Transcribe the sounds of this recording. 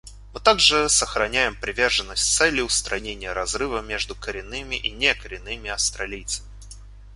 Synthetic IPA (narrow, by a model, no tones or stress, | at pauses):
mɨt̪aɡʐɨsəxɾɐnʲæjɪmpɾʲɪvʲe̞rʐɨnːəsʲtʲt̪sɛlʲːɪʊst̪ɾɐnʲenʲɪjəɾɐzɾɨvəmʲe̞ʐd̪ʊkəɾʲɪnːɨmʲɪʔinʲekəɾʲɪnːɨmʲɪɐfst̪ɾɐlʲijt̪səmʲɪ